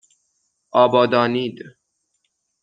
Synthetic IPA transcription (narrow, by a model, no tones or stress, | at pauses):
ɑːbɑːd̪ɑːniːd̪